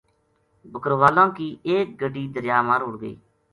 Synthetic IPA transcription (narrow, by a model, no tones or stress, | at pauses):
bəkəɾʋaːlãːkiːʔeːk̚ɡəɖiːd̪əɾjaːmaːɾɦʊɽɡə̰ḭː